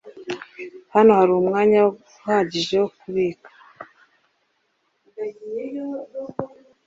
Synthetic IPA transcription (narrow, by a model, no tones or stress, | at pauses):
hano̞haɾuumŋaːɲaw | haɟiʒeokuβiːkḁ